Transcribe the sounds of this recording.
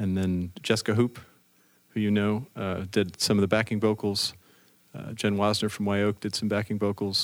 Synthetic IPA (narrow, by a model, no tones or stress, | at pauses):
ɨ̃nðɨ̃nd͡ʒɛskɨɦup | hʉjɨnoʊdɪd̥sʌ̃mʌvðɨbækɪ̃ŋboʊkl̩ˠz̥ | d͡ʒɛ̃nwɑznə˞fɹʌ̃mwaɪoʊk̚d̥ɨd̥sʌ̃mbækɪ̃ŋboʊkl̩ˠz̥